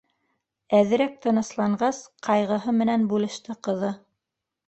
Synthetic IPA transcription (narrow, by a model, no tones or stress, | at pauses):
æðɘ̆ɾæk̚t̪ɤ̆nɤ̆slˠɑɴɢɑsqʰɑjʁɤ̆ɦɤmɘ̆nænbulˠɤ̆ʃt̪ɘqɤ̆ðɤ